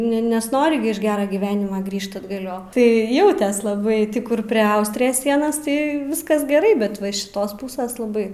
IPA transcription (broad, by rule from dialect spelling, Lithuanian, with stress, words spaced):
nʲɛ ˈnʲɛ nʲɛsˈnoːrʲɪ ɡʲɪ ɪʃ ˈɡʲæːrɐ ɡʲiːˈʋʲæːnʲɪmɐ ˈɡrʲiːʃt ɐdɡɐˈlʲoː tɐɪ ˈjɛʊtʲeːs lˠɐˈbɐɪ ˈtʲiː ˈkʊr pʲrʲɛ ˈɐʊsʲtʲrʲɪjɛs ˈsʲiɛnɐs ˈtɐɪ ˈʋʲɪskɐs ɡʲɛˈrɐɪ bʲɛt ˈʋɐ ɪʃ ʃʲɪˈtoːs ˈpuːsʲɛs lˠɐˈbɐɪ